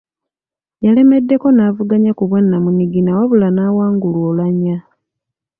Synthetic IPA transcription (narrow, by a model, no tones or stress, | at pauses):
jale̞me̞dːe̞ko̞navuɡaɲakuβwanːamuniɡinawoβulanaːwaːŋɡuluoːlaɲa